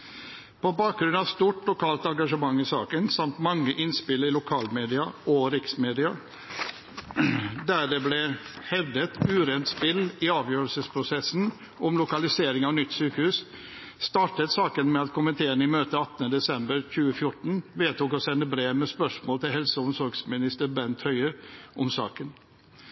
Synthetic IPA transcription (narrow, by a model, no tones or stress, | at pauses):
pʰɔbɑːk̚ɡɾʉnɑʋst̪uːʈlʊkʰɑːlt̪ɑŋɡɑʂəmɑŋːɪsɑ̰ːkənsɑmt̪mɑŋːəʔɪnspɪlːəɾɪlʊkʰɑːlmeːd̪ɪɑʔɔɾɪksmeːd̪ɪɑ | d̪æɖɛblɛhɛʋd̪ət̪ʉːɾɛːnt̪spɪlːɪɑːʋjøːɾəlsəspʰɾʊsɛsn̩ | ʔɔmlʊkɑlɪseːɾɪŋɑʋnʏt̪ːsyːkəhʉːs | st̪ɑːʈət̪sɑːkənmɛɑt̪kʰʊmənt̪ʰeːənəɪmøːt̪əɑt̪ːənəd̪ɛsɛmbəɾçʉːəfjʊʈn̩ʋeːt̪ʰuːkɔsɛnːəbɾeːmɛspœʂmoːlt̪ɪlɦɛlsəʊnsɔɾɡsmɪnɪst̪əɾbɛnt̪ʰhœʏəʔʊmsɑ̰ːkən